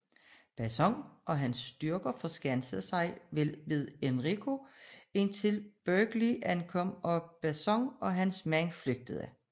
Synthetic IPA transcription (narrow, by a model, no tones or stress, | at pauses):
b̥æsɒ̽ŋʔɒ̽ɦænsd̥yɐɡ̥ɐfɒ̽sɡ̥ænsəð̩ˠsɑ̈ɪʋelˠʋe̝ð̞ˠenʁiɡ̥ʰo̝e̝nt͡sʰe̝lb̥øːɡ̥liʔænkʰɒ̽mɒ̽b̥æsɒ̽ŋɒ̽ɦænsmænfløɡ̥̚d̥əð̩ˠæ